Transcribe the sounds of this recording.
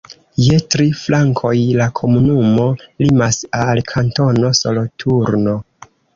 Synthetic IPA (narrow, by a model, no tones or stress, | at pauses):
je̞tɾiflaŋkʰo̞jlakʰo̞munumo̞limasalkʰanto̞no̞so̞lo̞tʰuɾno̞